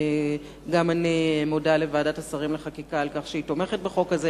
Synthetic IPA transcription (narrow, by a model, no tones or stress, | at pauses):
ɡamanimo̞dale̞vaːdatasaʁimleχakikaːlkaχʃeito̞me̞χet̚beχo̞kaze